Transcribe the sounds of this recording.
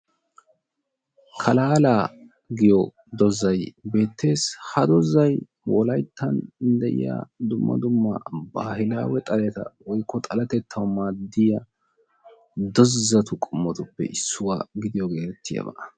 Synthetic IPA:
kʰɐlaːlaː | ɡɪjɔ | d̪ɔzːɐjbe̞ːt̪ːe̞ːshɐd̪ɔzːɐj | wɔlɐjt̪ʰːɐnnd̪ɛʔɪ̰ja̰ːd̪ʊmːɐ̰d̪ʊmːɐ̰baːhɪla̰ːwɛt̪ʼɐlɛt̪ɐ̰wɔjkːɔt̪ʼɐlɐt̪ɛt̪ʰːɐwmaːd̪ːɪjɐ | d̪ɔzːɐt̪ʊkʼʊmːɔt̪ʊpːɛ̰ʔɪsːʊwaːɡɪd̪ɪjɔɡeːt̪ɛt̪ʰːɪjɐ̰bɐ̰ʔɐ

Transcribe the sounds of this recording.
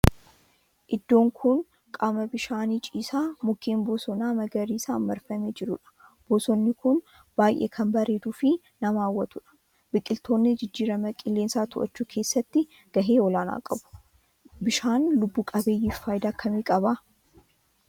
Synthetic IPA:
ʔɪd̪ːo̞ːŋkʰʊn | kʼaːmɐbɪʃaːniːt͡ʃʼiːsaːmʊkːeːmboːsɔnaːmɐɡɐɾiːsa̰ːmːɐɾfɐmeːd͡ʒɪɾʊᶑɐ̥ | b̥oːsɔnːɪkʊn | b̥aːjʔḛːkʰɐmbɐɾe̞ːd̪uːfɪ | nɐmaːwːɐt̪ʊᶑɐ̥ | bɪkʼːɪlt̪oːnːɪd͡ʒɪd͡ʒːiːɾɐmɐkʼɪlːeːnsaːt̪ʊʔɐ̰t͡ʃːuːkʰe̞ːsːɐt̪ːɪ | ɡ̥ɐɦeːɔlaːna̰ːkʼɐbʊ̥ | bɪʃaːnlʊbːuːkʼɐbe̞ːjːiːfaːjd̪aːkʰːɐmiːkʼɐba

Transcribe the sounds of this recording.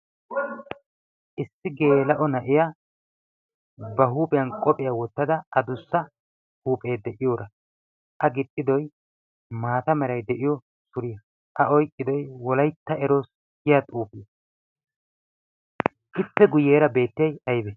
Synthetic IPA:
ʔɪsːɪɡe̞ːlɐʔɔnɐʔɪja | bɐɦuːpʼɛjɐnkʼɔpʼɪjɐwɔt̪ːɐd̪ɐɐd̪ʊsːɐ | huːpʼe̞ːd̪ɛʔɪjoːɾɐ | ʔɐɡɪt̪ʼːɪd̪ɔj | maːt̪ɐmɛɾɐjd̪ɛʔɪjɔ | sʊɾɪjɐ | ʔɐɔjkʼːɪd̪ɔjwɔlɐjt̪ːɐɛɾo̞ːs | ɡɪjat̪ʼuːpɪjɐ | ʔɪpːɛɡʊjːeːɾɐbe̞ːt̪ːɪjɐjɐjbɛ

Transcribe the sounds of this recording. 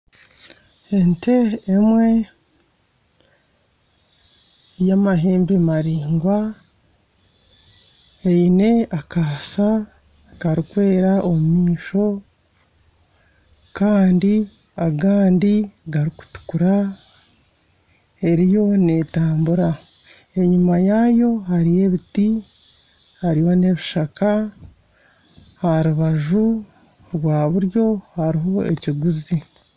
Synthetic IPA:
ente̞ːmwe̞ | jamaɦeːmbimaɾiːŋɡwa | eine̞akaːsa | kaɾikwe̞ːɾaʔo̞mumiːʃo̞ | kaːndi | aɡaːndiɡaɾiku̥tu̥kuɾa | e̞ɾijo̞ne̞ːtaːmbuɾa | e̞ɲumajaːjo̞haɾije̞βiti | haɾiho̞ne̞βiʃaka | haɾuβaʒu | ɾɡwaːβuɾjo̞haɾiɦo̞e̞̰ciɡuzi

